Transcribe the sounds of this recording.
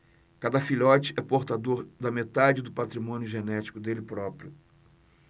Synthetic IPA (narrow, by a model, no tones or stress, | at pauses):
kad̪ɐfiʎɔt͡ʃɪ̥ɛpoɾt̪ad̪oɾd̪ɐmet̪ad͡ʒɪd̪ʊpat̪ɾimõnjʊʒenɛt͡ʃi̥kʊd̪elɪpɾɔpɾjʊ